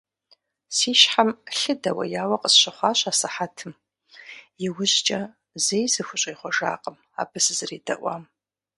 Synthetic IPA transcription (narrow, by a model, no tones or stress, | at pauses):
siːʃħamɬɨdɐwɐ̰jaːwɐqʼəsɕɪχʷɑːɕʼaːsɨħatʰɨm | jɪwʊʑd͡ʒʼɐ | zejzɨxʷʊɕʼiːχʷɔʒa̰ːqʼəm | a̰ːbɨsɨzɨriːdɐ̰ʔʷɑ̰ːm